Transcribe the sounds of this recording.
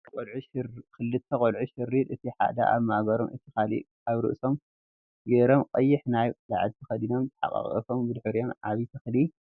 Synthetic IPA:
olʕuʃkʰɨlːɨt̪ʰːɐkʼolʕuʃɨrːit̪ɨt̪ʰiħa̰d̪a̰ʔa̰βmahɡɐɾomʔɨt̪ʰːixalḭ | aβɾɨ̰ʔso̞m | ɡeɾomqʼɐjːɪħnajla̰ʕd̪t̪ʰɐxɐd̪ino̞mt̪ʰɨ̥ħa̰kʼa̰χʼɐ̰fo̞mbɨd̪ħɨɾijo̞mʕaβit̪ʰɐxli

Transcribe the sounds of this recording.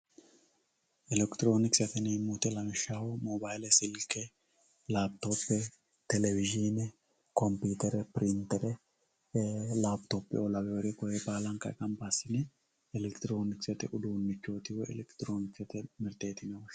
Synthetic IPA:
ʔɪlɛkt̪ɪɾo̞ːnɪksɐt̪ɛnɛmːut̪ɛlɐmɛʃawɔmobajlɛsɪlkːɛ | laːb̚t̪o̞ːpːɛ | t̪ɛlɛvɪʒinɛ | kɔmpiːt̪ɛɾɛpɪɾɪnt̪ːɛɾɛ | laːbt̪oːpːɪ̰ɔlɐbɛwɔɾɛkɔjɛbaːlɐŋkɐkʼɐmpasɪnɛ | ɛlɛkt̪ɪɾo̞ːnɪksɛt̪ɛʔʊd̪unːɪkːo̞ːt̪ɪwɔɛ̰lɛkt̪ɪɾoːnɪksɐt̪ɛmɪɾt̪eːt̪ɪnɛwɔʃ

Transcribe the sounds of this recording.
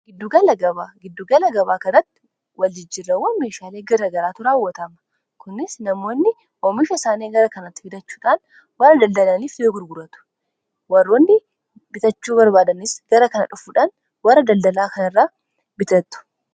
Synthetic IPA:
ɡ̥ɪd̪ːʊɡɐlɐɡɐβaːɡɪd̪ːʊɡɐlɐɡɐβaːkɐnɐt̪ːɪ̥ | wɐld͡ʒɪd͡ʒɪrːɐwɔme̞ːʃaːle̞ːɡɐɾɐɡɐɾaːt̪ʊɾaːwːɐt̪ɐmɐ̥ | kʊnɪsnɐmo̞ːnːɪ | ɔmɪʃɐsaːneːɡɐɾɐkɐnɐt̪ːɪ̥fɪd̪ɐt͡ʃːuːᶑaːn | wɐrːɐd̪ɐld̪ɐlaːniːfd̪eːɡʊɾɡʊɾɐt̪ʊ̥ | wɐrːoːnːɪ | bɪt̪ɐt͡ʃːuːbɐɾbaːd̪ɐnɪsɡ̥ɐɾɐkɐnɐᶑʊfuːᶑaːn | wɐrːɐd̪ɐld̪ɐlaːkɐnɪrːaː | bɪt̪ɐt̪ːʊ̥

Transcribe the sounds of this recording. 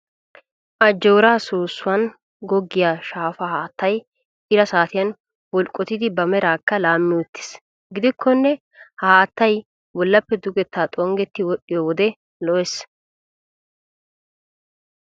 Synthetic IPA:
ʔɐd͡ʒːɛwɾaːsoːsːʊwɐn | ɡɔɡːɪjaːʃaːfɐhaːt̪ːɐj | ʔɪɾɐsaːt̪ɪjɐn | wɔlkʼːɔt̪ɪd̪ɪbɐmɛɾaːkːɐlaːmːɪwɔt̪ːɪ̥s | ɡɪd̪ɪkʰːɔnːɛ | hɐhaːt̪ːɐj | wɔlːɐpːɛd̪ʊɡɛt̪ːaːt̪ʼɔŋɡɛt̪ːɪwɔɗɪjoːwɔd̪ɛ | lɔʔɛs

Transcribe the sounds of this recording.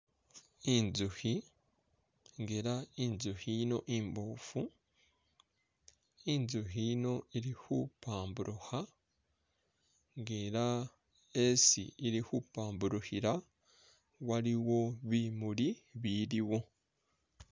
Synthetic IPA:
inzuhi | ŋɡeɾainzuhino̞̰ʔimboːfu | inzuhino̞iɾihupaːmbuɾʔuha | ŋɡeɾa | esḭiɾihupaːmbuɾuhiɾa | waɾiwo̞βimuɾiβiɾiwo̞

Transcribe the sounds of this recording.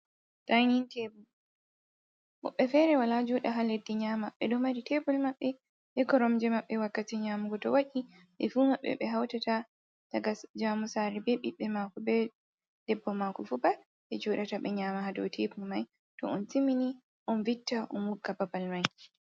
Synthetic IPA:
tajnintɛbu | ɔ̰ɓːɛfɛɾɛwalad͡ʒɔɗaɦaledːɛɲaːmaɓɛɗɔmaɾitɛbulmaɓːɛ | ʔɛkɔɾɔmd͡ʒɛmaɓːɛwakːatiɲaːmuɡɔtɔwaʔi | ʔɛfumaɓːɛ̰ɓɛɦawtata | taɡad͡ʒamusaɾibɛɓiɓːɛmaːkɔbɛ | d̥ɛbːɔmakɔfuba | ɓɛd͡ʒɔɗataɓɛɲaːmahadɔ̰wtʰebulmaj | tɔ̰ɔntimini | ʔɔnvitːaʔɔnwukːababalmaj

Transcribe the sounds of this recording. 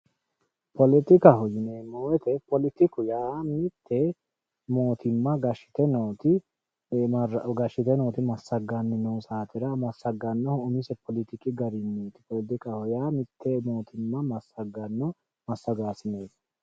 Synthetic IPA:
pʰɔlɪt̪ɪkɐhɔjɪneːmoːwɛt̪ɛpɔlɪt̪ɪkʊjaːmɪt̪ʰːɛ | moːt̪ʰɪmːɐɡɐʃɪ̥t̪ɛnoːt̪ɪ | ɡɐʃɪt̪ɛnoːt̪ɪmɐsːɐɡanːɪnoːsaːt̪ɪɾɐmɐsɐɡːɐnːɔhʊmɪsɛpɔlɪt̪ɪkɪɡɐɾɪnːiːt̪ɪ̥pɔlɪt̪ɪkɐhɔjaːmɪt̪ːɛmoːt̪ʰɪmːɐmɐsɐɡɐnːɔ | mɐsːɐɡaːsɪneːs

